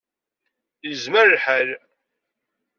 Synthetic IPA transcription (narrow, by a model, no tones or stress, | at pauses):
jəzməɾlħæl